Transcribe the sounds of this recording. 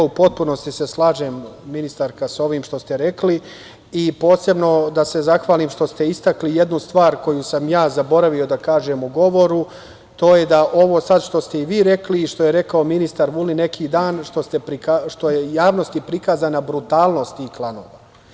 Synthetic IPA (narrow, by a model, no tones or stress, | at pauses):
upo̞t̪̚puno̞st̪iseslˠaːʒe̞mːinist̪aɾkaso̞ʋiːmʃt̪o̞st̪eɾe̞kli | ipo̞ːse̞bno̞d̪ase̞zaxʋaːliːmʃt̪o̞st̪e̞ist̪aklije̞d̪nust̪ʋaːɾko̞jusamjaːzabo̞ɾaʋio̞d̪akaːʒe̞muɡo̞ʋo̞ɾu | t̪oːje̞d̪aʔo̞ʋo̞ːsad̪ʃt̪o̞st̪e̞iʋiːɾe̞kliːʃt̪o̞jeɾe̞kaominist̪aɾʋuline̞kʰiːd̪aːnʃt̪ost̪epɾikaʃt̪o̞jejaːʋno̞st̪ipɾikaːzaːnabɾut̪aːlˠno̞st̪iklˠano̞̰ːʋa